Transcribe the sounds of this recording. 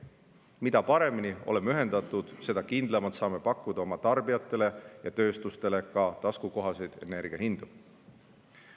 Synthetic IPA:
mid̪̥ɑpɑɾe̞minio̞lemeyɦe̞nd̪ɑt̪ˑːud̪̥se̞d̪ɑkind̪lɑmɑlt̪sɑːme̞pɑkːud̪̥ɑo̞mɑt̪ɑrbiɑt̪ːˑe̞le̞jɑt̪ø̞ːst̪ust̪e̞le̞kɑt̪ɑskuko̞ɦɑsejd̪̥e̞̰ne̞rɡ̥iɑhind̪̥u

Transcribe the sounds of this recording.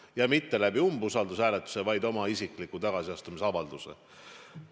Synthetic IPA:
jɑmit̪ːe̞læb̥iumbusɑld̪usæːlet̪ːˑu̥se̞vɑjd̪o̞mɑisikˑlikːut̪ɑɡ̥ɑsiɑst̪umis̬eɑvɑld̪̥use̞̰

